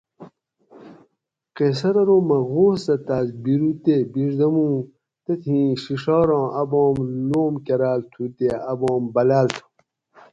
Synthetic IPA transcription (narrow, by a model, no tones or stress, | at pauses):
qes̬ɐɾɐɾoːmɐɣoːsɐt̪aːzbiɾut̪ebiʐd̪ɐmũː | t̪et̪ʰĩːɕiʂɑːɾɔ̃ːʔɐbɔ̃ːmloːmkɐɾaːlt̪ʰuːt̪eːɐbɔ̃ːmbɐlaːlt̪ʰu̥